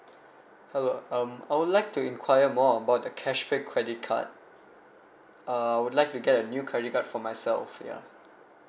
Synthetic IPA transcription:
hɛloʌ̃ma̰ɪwʊdlaɪk̚tuĩnkʰwajəmɔəbaʊt̚dəkʰɛʃpekʰɹɛdɪt̚kʰa̰t̚ | ʌajwudlaɪk̚tuɡɛtənjukʰɹɛdɪt̚katfɔmaɪsɛ̰lfja̰

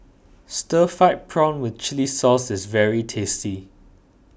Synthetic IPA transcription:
stəfaɪt̚pʰɹãʊ̃nwɪθt͡ʃɪlisɔsɪsvɛɹitʰesti

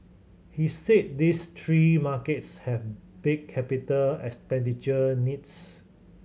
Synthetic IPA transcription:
hiset̚dist̪ʰɹimaketshɛvb̥ɪkʰːɛpitəlɛkspɛ̃ndit͡ʃənits

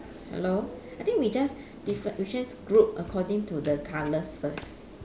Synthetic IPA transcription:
hɛ̰lo | ajt̪ĩŋkwid͡ʒas | d̥ifɛit͡ʃɹɛ̃nsɡɹup̚əkʰɔdɪ̃ŋtudəkʰaləsfəs

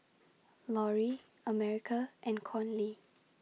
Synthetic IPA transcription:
lɔɹi | əmɛɹikʰəʔɛ̃nkʰɔ̃nli

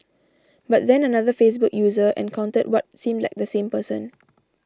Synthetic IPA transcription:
bat̚d̪ɛ̃nənaðəfes̬bʊkjuːzəɛ̰̃nkʰãʊ̃ntət̚wɔt̚sĩmdlaɪk̚d̪əsẽmpəsə̰̃n

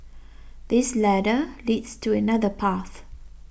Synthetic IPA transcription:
ðɪslæɾəliːdstʰuənaðəpʰaθ

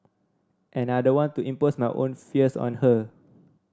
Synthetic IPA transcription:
ʔɛ̃nadəwɔ̃ntuʔĩmposmajʔõ̰nfiəsɔ̰̃nhə

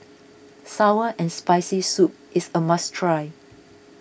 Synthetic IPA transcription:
sawəʔɛ̃nspaɪsisup̚ʔɪsəmastʰɹaɪ

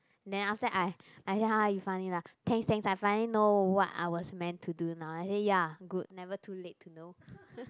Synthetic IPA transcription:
ndɛ̃naftəʔaɪʔajsehajufãɪ̃nilat̪ʰɛ̃ŋst̪ɛ̃ŋsaɪfãɪnəlinowɔta̰ɪwɔsmɛ̃ntʰːudunãʊnaɪsejaɡud̚nɛvətʰuletʰːuno

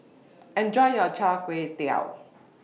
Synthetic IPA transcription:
ɛ̃nd͡ʒɔɪjɔt͡ʃʰakwet̪ia̰ʊ

